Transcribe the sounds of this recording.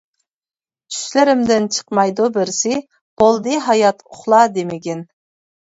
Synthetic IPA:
t͡ʃʰy̥ʃlɪɾɪmd̪ɪnt͡ʃʰə̥qmɑjd̪ubɪɾsɪ | b̥olˠd̪ɨɦɑjɑt̪ʊχlˠɑd̪emɪɡʲɛn

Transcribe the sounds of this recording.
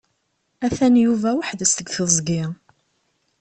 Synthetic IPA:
æθænjuvæwəħðəst̪əɡθəzˤɡɪ

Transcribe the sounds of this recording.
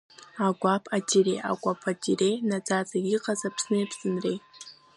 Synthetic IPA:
aɡʷapʰad͡ʒirejʔa̰ɡʷapʰad͡ʒirejnad͡zat͡sʼaiqʼazapʰsnejpʰsɨnrej

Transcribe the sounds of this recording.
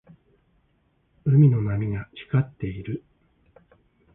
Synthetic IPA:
ɯ̟mʲino̞namʲiɡat͡ɕi̥kat̪ːe̞iɾɯ̟

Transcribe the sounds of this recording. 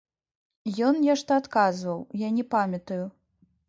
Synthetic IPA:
jɔnjɛʂt̪ɐat̪kazvɐwjanʲɛpamʲɐt̪uju

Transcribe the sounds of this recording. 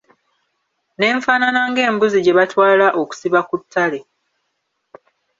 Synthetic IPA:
ne̞ːɱfaːnanaŋɡe̞ːmbuziɟe̞βatwaːlaʔo̞ku̥siβakutʰːale

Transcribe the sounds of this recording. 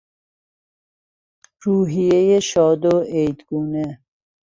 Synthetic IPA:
ɾuːɦijejeʃɔːd̪oejd̪ɡuːnɛ

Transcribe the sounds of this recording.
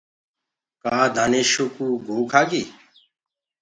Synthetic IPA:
kaːd̪ʱaːneːʃuːkuːɡʱoːkʰaːɡiː

